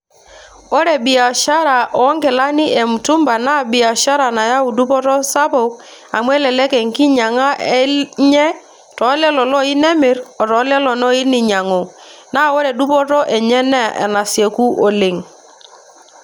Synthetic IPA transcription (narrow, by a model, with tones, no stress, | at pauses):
o˦ɾɛ˨bi˨a˨ʃa˦ɾa˨ʔɔ˨˦ŋɡɛ˨la˦ni˦ʔe˨mu˨tu˦mba˨na˦˨bɪ˨a˨ʃa˦ɾa˨na˨ja˦u˨du˦pɔ˦tɔ˦sa˦po˨k̚ | a˨mwɛ˦lɛ˨lɛ˦kɛ˨ŋki˦ɲa˨ŋa˦ɛ˦ɲɛ˦ | tɔ˨˦lɛ˦lɔ˨lɔ˦i˦nɛ˦mɪ˨ɾɔ˨tɔ˨˦lɛ˦lɔ˨nɔ˦i˦ni˨ɲa˨ŋo˨na˦o˦ɾɛ˨du˦pɔ˦tɔ˦ʔɛ˨ɲɛ˦nɛ̰˦˨ʔɛ̰˨na˨sje˨ku˦ʔo˨le˨ŋ